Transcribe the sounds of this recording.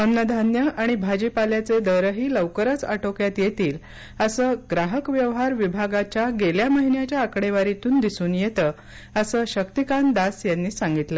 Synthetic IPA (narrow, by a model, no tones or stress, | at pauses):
əmnəd̪ʱanjəʔaɽ̃ibʱad͡ʑipaljat͡sed̪əɾəɦiːləʋkəɾət͡sa̰ʈokjat̪jet̪iːl | əsəːɡɾaɦəkʋjəʋɦaɾʋibʱaɡat͡ɕjaɡeljaməɦinjat͡ɕjaːkɽeʋaɾit̪uːnd̪isuːnjet̪əː | əsəːɕəkt̪ikand̪asjanːiːsãŋɡit̪lə